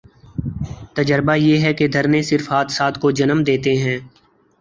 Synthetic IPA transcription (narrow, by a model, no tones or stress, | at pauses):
t̪əd͡ʒəɾbajeːɦɛked̪ʱɐɾnesɪɾfɦaːt̪saːt̪kod͡ʒɐnəmd̪eːt̪eɦɛ̃ː